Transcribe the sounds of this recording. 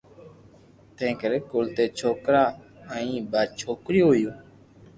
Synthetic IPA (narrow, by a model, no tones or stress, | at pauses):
t̪ẽːkəɾeːkoːlt̪eːt͡ʃʰoːkɾaːəĩːbaːt͡ʃʰoːkɾiːoːjõː